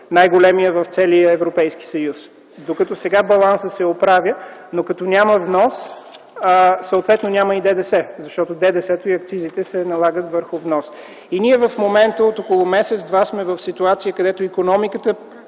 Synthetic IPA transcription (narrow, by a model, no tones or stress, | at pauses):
najɡolɛmijəvəft̪sɛliəɛvɾopɛjski̥səjus | d̪okɐt̪ɔsɛɡabɐlˠansəsɛopɾavjənokɐt̪ɔnʲaməvnɔs | səot̪vɛt̪nonʲaməid̪ɛd̪ɛsɛzɐʃt̪ɔt̪od̪ɛd̪ɛsɛt̪oiɐkt̪sizit̪ɛsɛnɐlˠaɡət̪vəɾxʊvnɔs | inʲiɛvəfmomɛnt̪əot̪ɔkolˠomɛsɛt̪zd̪vasmɛvəfsit̪uat̪sijəkɐd̪ɛt̪oikonɔmikət̪ə